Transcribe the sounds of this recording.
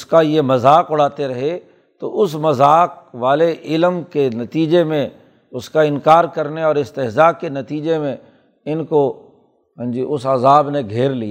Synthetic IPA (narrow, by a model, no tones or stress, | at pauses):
ʊskajemɐzaːkʊɽ̤aːt̪eɾɐɦe | t̪oʔʊsmɐzaːk̚ʋaːleʔɪlmkenɐt̪iːd͡ʒemẽ | ʊskaɪ̃nkaːɾkɐɾneɔːɾɪst̪ɪɦzaːɡ̚kenɐt̪iːd͡ʒemẽ | ɪnko | ɦə̃nd͡ʒiʔʊsaːzaːbneɡʱeːɾlia